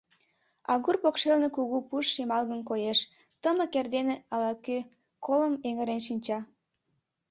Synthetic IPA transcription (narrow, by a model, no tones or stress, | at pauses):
ɑ̰ɣurpokʃelnekuɣupuʃːimɑlɣənkojeʃ | t̪əmə̆kerd̪eneɑlɑkø | kʰoləmeŋə̆ɾenʃinʲt͡ɕɑ